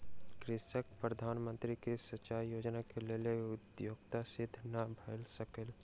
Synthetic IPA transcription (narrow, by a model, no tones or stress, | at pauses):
kɾɪsək̚pɾəd̪ʱaːnmə̃nt̪ɾikisət͡ʃaːɾjoːd͡ʒnakeleleʊd̪joːɡ̚t̪asɪd̪ʱnabʱɐːlsəkəl